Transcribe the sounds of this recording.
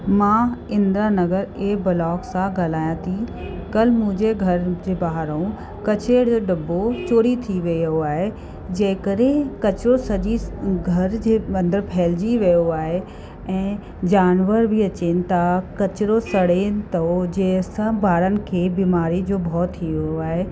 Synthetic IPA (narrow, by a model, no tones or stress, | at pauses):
mãːɪ̃nd̪ɾanɐɡəɾeːbɐlɔːksãɡaːlaːjãt̪ʰikɐlmʊ̃ɦd͡ʑeɡʱɐɾd͡ʑeːbaɦɾũ | kɐt͡ɕeːɽd͡ʑoːɖɐbːot͡ɕoːɾit̪ʰiʋijoaːɦe | d͡ʑɐ̃ːɦɪ̃kəɾẽkɐt͡ɕɪɾosɐd͡ʑiɡʱɐɾd͡ʑeːɐ̃nd̪əɾpʰɛːld͡ʑiʋijoaːɦe | ɛ̃ː | d͡ʑaːnʋəɾbʱiɐt͡ɕeːnɪ̆t̪ɐkɐt͡ɕɪɾosɐɽenɪt̪ɐod͡ʑeːsɐ̃bʱaːɾənɪ̆kʰeːbiːmaːɾid͡ʑoːbʱɔːt̪ʰːiʋoaːɦe